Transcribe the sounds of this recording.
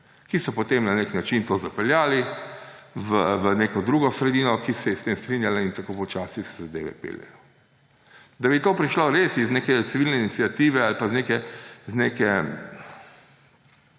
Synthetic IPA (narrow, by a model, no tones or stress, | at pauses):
kisɔpɔt̪emnaneknat͡ʃint̪ozapɛljaːli | ʋəʋəneːkɔd̪ɾuːɡɔsɾɛd̪iːnɔkisɛjɛst̪emst̪ɾinjalaint̪akoːpɔt͡ʃaːsisɛ̥zad̪ḛːʋɛ̰pḛljɛ̰jɔ | d̪abit̪oːpɾiʃloɾesizneːkɛt̪siʋiːlnɛinit̪siat̪iːʋɛalpazneːkɛzneːkɛ